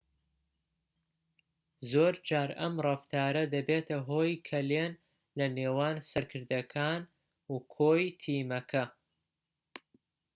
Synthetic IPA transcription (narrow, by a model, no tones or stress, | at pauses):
zoːɾd͡ʒaːɾɐmrˤɐft̪ʰaːɾɐd̪ɐbeːt̪ʰɐɦoːjkʰɐleːn | lɐneːwaːnsɐɾkʰɨɾd̪ɐkʰaːn | ukʰoːjt̪ʰiːmɐkʰɐ